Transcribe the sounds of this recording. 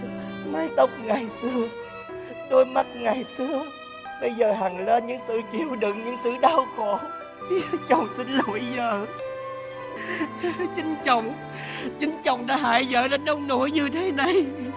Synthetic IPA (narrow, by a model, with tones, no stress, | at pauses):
maː˧jt̪ə˦˥wk͡p̚ŋa˨˩jsɨ˧ə | t̪o˧jma˦˥t̚ŋa˨˩jsɨ˧ə | ɓə˧jzəː˨˩ɦa˨˩ŋle˧nɲɨ̰˧˥ŋsɨ̰˧˨t͡ɕi˧˨əwɗɨ˨˧˨ŋɲɨ̰˧˥ŋsɨ̰˧˨ɗaː˧wxo̰˧˨ | t͡ɕə˨˩wŋ͡msï˧n̟lu˧˩əjzə̰ː˧˨ | t͡ɕi˨˦ŋt͡ɕə˨˧˩wŋ͡m | t͡ɕɨ˨˦ŋt͡ɕə̰˨˧˩wŋ͡mɗa̰ː˧˦ɦaː˧˩jzə̰ː˧˨lə˧nɗə˧wŋ͡mno˧˩˥jɲɨ˧t̪ʰe˨˦na˨˩j